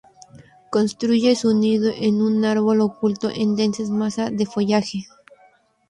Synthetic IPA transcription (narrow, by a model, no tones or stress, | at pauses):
ko̞nst̪ɾuʝesuniðoʔenunaɾβo̞lokult̪o̰ʔend̪ensezmasaðe̞foʝaxe